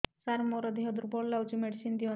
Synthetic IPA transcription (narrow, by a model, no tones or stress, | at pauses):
saɾmɔɾɔd̪iɦɔd̪uɾbɔɽlawt͡ʃimeɽisind̪iɔ